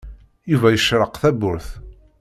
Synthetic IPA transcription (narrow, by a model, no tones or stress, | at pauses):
juvæjəʃɾəqθæbʊɾθ